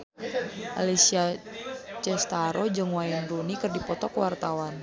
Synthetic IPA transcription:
ʔa̰lisia | t͡ʃɛst̪aɾɔd͡ʒəŋwajanrunikɨrdipɔt̪ɔkəwart̪awan

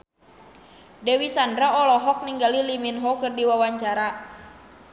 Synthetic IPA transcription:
dɛwisandɾaɔlɔɦɔk̚niŋɡaliliminɦɔkɨrdiwawaɲt͡ʃaɾa

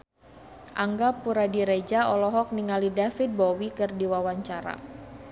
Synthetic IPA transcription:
ʔaŋɡapuɾadiɾed͡ʒaɔlɔɦɔk̚niŋalidafit̪̚bɔwikɨrdiwawaɲt͡ʃaɾa̰

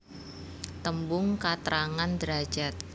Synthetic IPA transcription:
t̪əmbʊŋkat̪ɾaŋand̪əɾḁd͡ʒat̪̚

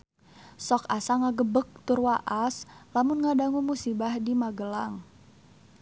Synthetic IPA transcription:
sɔkasaŋaɡəbək̚t̪ʊrwaʔaslamʊnŋadaŋumusibahdimaɡəlaŋ

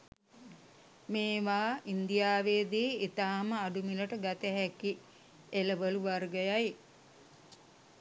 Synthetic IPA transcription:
meːʋaːind̪ijaːʋeːd̪iːit̪aːməaɖumiləʈəɡat̪əɦɛki | eləʋəluʋarɡəjaj

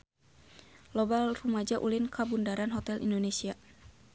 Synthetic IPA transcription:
lɔbalrumad͡ʒaʔulinkʰabundaɾanɦɔt̪ɛlʔḭndonesia

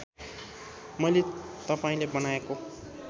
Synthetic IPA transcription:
mʌjlet̪ʌpaĩlebʌnaeko

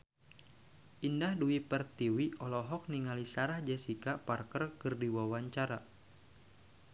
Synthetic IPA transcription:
ʔindahduipərt̪iwiɔlɔɦɔk̚niŋalisaɾahd͡ʒɛsikaparkərkɨrdiwawaɲt͡ʃaɾa

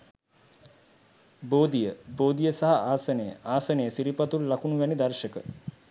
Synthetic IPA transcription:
boːd̪ijəboːd̪ijəsaɦaʔaːsənəjə̰ʔaːsənəjəsiɾipat̪ullakunuʋænid̪ɐrʃəkə̰

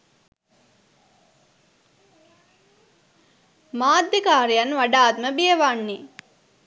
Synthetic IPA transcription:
maːd̪ːikaːɾijanʋaɖaːt̪məbijəʋanːi

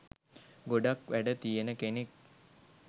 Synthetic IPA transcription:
ɡoɖakʋæɖət̪ijenəkenek̚

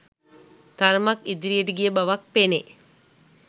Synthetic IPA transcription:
t̪ɐɾmɐkid̪ɾijeʈiɡijɐbɐʋɐk̚pene

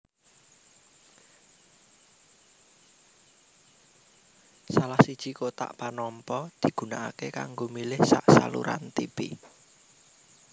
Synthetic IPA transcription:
salahsid̥ʒ̥i̤kot̪a̰ʔpanɔmpɔd̪̥i̤ɡ̥ṳnaʔakeka̰ŋɡomilɪhsa̰ʔsa̰lṵɾa̰nt̪ipḭ

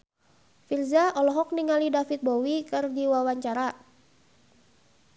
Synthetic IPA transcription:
firzaɔlɔɦɔk̚niŋalidafit̪̚bowikɨrdiwawaɲt͡ʃaɾa

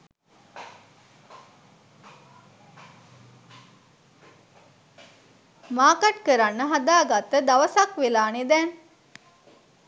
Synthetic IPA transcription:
maːkaʈkəɾanːəɦad̪aːɡat̪ːəd̪aʋəsakʋelaːned̪ɛn

